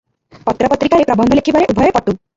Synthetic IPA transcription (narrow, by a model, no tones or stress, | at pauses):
pɔt̪ɾɔpɔt̪ːɾikaɾepɾɔbɔnd̪ʱɔlekʰibaɾeʔubʱɔjɔpɔʈu